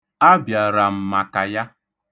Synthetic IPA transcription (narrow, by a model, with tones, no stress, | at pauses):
a˦bja˨ɾa˨m̩˨ma˨ka˨ja˦